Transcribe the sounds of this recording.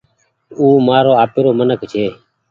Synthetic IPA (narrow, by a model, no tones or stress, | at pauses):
uːmaːɾoːaːpeːɾoːmənəkt͡ʃʰeː